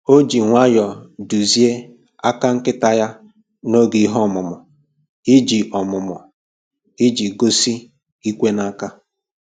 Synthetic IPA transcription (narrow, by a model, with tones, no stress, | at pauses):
o˦d͡ʒi˨ŋʷa˦jɔ˨du˨zi˦e˦ | a˦ka˦ŋ̩˦kɪ˦ta˦ja˦ | no˦ɡi˨˦ɦɔ˦˨mʊ˨mʊ˨ | i˦d͡ʒi˨ʔɔ˨mʊ˨mʊ˨ | i˦d͡ʒi˨ɡo˦si˦ | i˦kʷe˦na˦ka˦